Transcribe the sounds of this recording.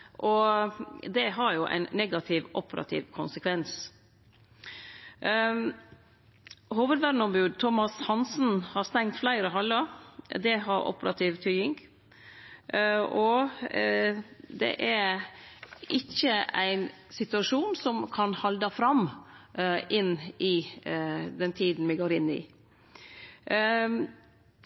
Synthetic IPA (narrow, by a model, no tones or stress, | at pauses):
ʔɔ | d̪ɛɦɑɾjʊʔæ̰ɪnːɛɡɑt̪ʰɪʋʔɔpəɾɑ̰t̪ʰɪ̰ːʋkʰʊnsəkʰʋɛns | huːʋəd̪ʋæɾnɔmbʉːd̪t̪ʰɔmɑshɑnsn̩hɑɾst̪ɛŋt̪flæɪɾəɦɑlːəd̪ɛɦɑɾɔ̰pəɾɑ̰t̪ʰɪʋt̪ʰyʏɪŋ | ɔ | d̪ɛ̰ʔæɾ | ʔɪçəæ̰ɪn | sɪt̪ʉɑʂuːnsɔmkʰɑnhɑld̪əfɾɑm | ʔɪnɪ | d̪ɛnt̪ʰiːd̪n̩ʋɪɡoːɾɪnːɪ̰